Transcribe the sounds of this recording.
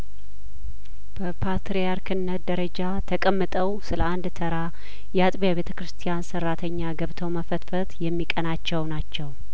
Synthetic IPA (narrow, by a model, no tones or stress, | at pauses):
b̥əpʰat̪ɾejaɾkʰɨnːət̪̚d̪əɾəd͡ʒat̪ʰəkʼəmːɨt̪ʼəwsɨləand̪t̪ʰəɾa | jɛat̪ʼbijaβe̞t̪ʰə̥kɾɨst̪ʰijansərːat̪ʰəɲːaɡəβt̪ʰəwməfət̪fət̪jɛmːikʼənat͡ʃːɛwnat͡ʃːɛw